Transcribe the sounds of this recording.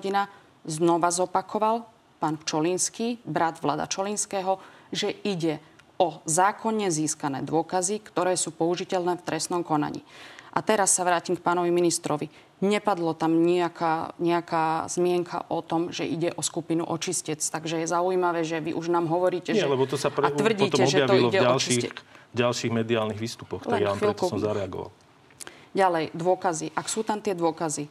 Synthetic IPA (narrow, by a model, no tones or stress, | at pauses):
ɔɟina | znɔʋazɔpakʰɔʋal | paːnpt͡ʃɔlinskiːbɾad̪ʋla̰ːd̪a̰t͡ʃɔlinskɛːɦɔʒɛiɟɛ | ɔzaːkʰɔɲːɛziːskanɛ̰ːd̪ʊɔkazikt̪ɔɾɛːsuːpɔuʒicɛlnɛːft̪ɾɛsnɔmkɔna̰ɲḭːʔat̪ɛɾasːaʋɾaːcimk̚paːnɔʋiminist̪ɾɔʋi | ɲɛpad̪lɔt̪amɲiakaːɲɛakaːz̥mɪɛŋkʰa̰ʔɔt̪ɔmʒɛʔiɟɛʔɔskupinṵʔɔt͡ʃiscɛt͡st̪aɡʒɛjɛzaujimaʋɛːʒɛʋiʔuʒnaːmɦɔʋɔɾiːcɛɛlɛbɔt̪ɔsapɾaʋr̩ɟiːt̪ɔɛɔʒɛjaʋ̪ɔiilɔɛaɔlt͡ʃʃiɟalʃiːɣmɛd̪iaːlniɣʋiːst̪upɔxtlɛnamɾɛt̪sɔmzaɾɛaɡɔ̰ʋa̰l | ɟalɛjd̪ʊɔkaziʔaksuːt̪amt̪ɪɛd̪ʊɔkazi